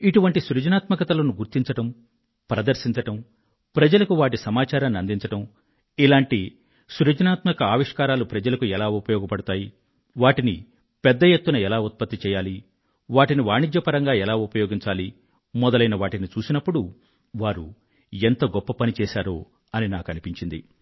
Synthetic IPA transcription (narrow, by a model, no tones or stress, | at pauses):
iʈuʋɐɳʈisɾud͡ʒɐnaːt̪mɐkɐt̪ɐloːnuɡuɾt̪iɲt͡ʃɐʈɐm | pɾɐd̪ɐɾsiɲt͡ʃɐʈɐm | pɾɐd͡ʒɐlɐkuʋaːʈ̬isɐmaːt͡ʃaːɾɐnːɐnd̪iɲt͡ʃɐʈɐm | ilaːɳʈi | suɾud͡ʒɐnaːt̪mɐkɐaːʋiʂkaːɾaːlupɾɐd͡ʒɐlɐkuɛlaːupɐjɔːɡɐpɐɽut̪aːji | ʋaːʈini | pɛd̪ːɐjet̪ːunɐɛlaːut̪̚pɐt̪ːit͡ʃɛːjaːli | ʋaːʈiniʋaːɳid͡ʒjɐpɐɾɐŋɡaːɛlaːupɐjɔːɡiɲt͡ʃaːli | mɔd̪ɐlɐjnɐʋaːʈinit͡ʃuːsinɐpːuɽu | ʋaːɾṵ | ent̪ɐɡɔpːɐpɐnit͡ʃɛːʃaːɾoː | ɐninaːkɐnipiɲt͡ʃind̪ḭ